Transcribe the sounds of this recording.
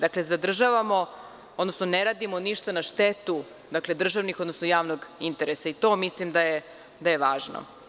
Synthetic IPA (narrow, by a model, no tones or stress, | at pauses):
d̪akle̞zad̪r̩ʒaʋamo̞ | od̪no̞snoneɾaːd̪imoniʃt̪anaʃt̪et̪u | d̪akle̞d̪r̩ʒaʋnixod̪nosnojaːʋnoɡint̪eɾesait̪o̞ːmislimd̪aje | d̪ajeʋaːʒno̰